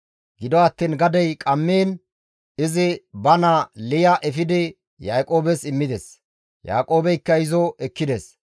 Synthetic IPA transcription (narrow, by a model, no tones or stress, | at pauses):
ɡɪd̪ɔɐt̪ːiːnɡɐd̪ɛjkʼɐmːeːn | ɪzɪbɐnɐlɪjɐʔɛfɪd̪ɪ | jaːkʼo̞ːbɛsɪmːɪd̪ɛs | ja̰ːkʼo̞ːbɛjkːɐɪzɔɛkːɪd̪ɛs